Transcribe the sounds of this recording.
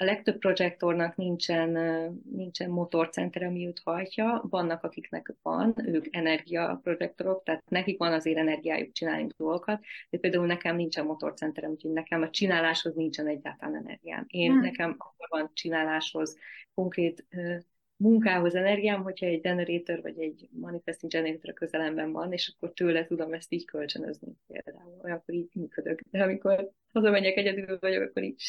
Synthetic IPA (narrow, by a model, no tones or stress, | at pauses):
ɒlɛk̚t̪ø̞p̚pːro̞d͡ʒɛk̚t̪o̞rnɒknint͡ʃɛnnint͡ʃɛmːo̞t̪o̞rt̪sɛ̰nt̪ɛɾɛɒmiut̪hɒjcɒvɒnːɒkɒkiknɛ̰kvɒ̰nøːkɛnɛrɡijɒ̰pro̞d͡ʒɛk̚t̪o̞ɾo̞kt̪aːt̪nɛkikʋɒnɒzeːɾɛnɛrɡija̰ːjṵk̚t͡ʃinaːlnṵɡd̪o̞lɡokɒt̪d̪ɛpeːld̪aːulnɛkɛmnint͡ʃɛmːo̞t̪o̞̰rt̪sɛnt̪ɛɾɛmucʰeːnɛkɛmɒt͡ʃinaːlaːʃho̞znint͡ʃɛnɛɟːa̰ːlt̪ɒlaːnɛ̰nɛ̰rɡija̰ːmeːnnɛkɛmɒkːo̞rvɒnt͡ʃinaːlaːʃho̞zko̞ŋkreːt̪øː | muŋkaːɦo̞zɛnɛrɡijaːmɦo̞chɒɛɟdɛneɾeːt̪ørvɒ̰ɟɛɟmɒnifɛst̪iŋd͡ʒɛnereːt̪oɾkø̞zɛlɛmbɛɱvɒneːʃɒkːo̞rt̪øːlɛt̪ud̪o̞mɛst̪iːɟkʰø̞lt͡ʃønø̰znḭpḛːld̪a̰ːulhojɒkːo̞ɾiːɟmyːkød̪økd̪ɛɒmiko̞ɾ | hɒzɒmɛɲːɛkɛɟɛd̪ylvɒɟo̞̰kɒkːo̞ɾḭːɟ